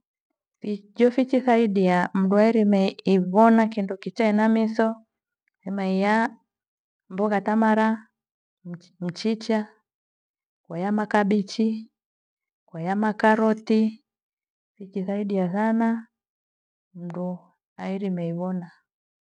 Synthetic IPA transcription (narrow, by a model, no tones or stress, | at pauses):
fid͡ʒɔfit͡ʃiθaiɗiam̩duaiɾimɛiβɔnakindɔkit͡ʃainamisɔ | hɛmaija | mbɔɣatamaɾa | m̩t͡ʃit͡ʃa | kwajamakabit͡ʃi | kwajamakaɾɔti | fit͡ʃiθaiɗijasana | m̩du | aiɾimɛiβɔna